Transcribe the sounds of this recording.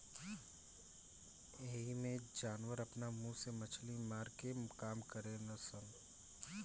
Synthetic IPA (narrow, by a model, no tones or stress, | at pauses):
eːɦimẽd͡ʒaːnwəɾɐpnamũsemɐt͡ʃʰlimaːɾkekaːmkəɾenɐsən